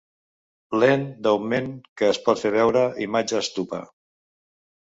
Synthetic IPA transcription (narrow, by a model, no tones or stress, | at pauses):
lend̪əwmenkəːspɔt̪feβɛwɾəʔimad͡ʒəːst̪upə̰